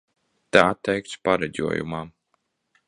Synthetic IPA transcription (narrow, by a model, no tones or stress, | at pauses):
t̪aat̪ːɛjk̚t̪sʲpaɾɛd͡ʑʲṵɔjṵmaː